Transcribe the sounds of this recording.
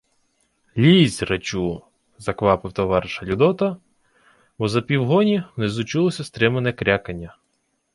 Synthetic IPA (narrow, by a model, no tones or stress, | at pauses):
lʲizʲrɐt͡ʃu | zɐkʋɑpɪwt̪ɔʋɑɾɪʃɐlʲud̪ɔt̪ɐ | bɔzɐpʲiwɦɔnʲimnɪzʊt͡ʃulˠɔsʲɐst̪ɾɪmɐnɛkɾʲakɐnʲːɐ